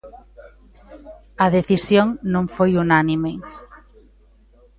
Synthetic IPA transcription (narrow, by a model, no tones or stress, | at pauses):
ɐðeθisjõŋnõŋfojunanime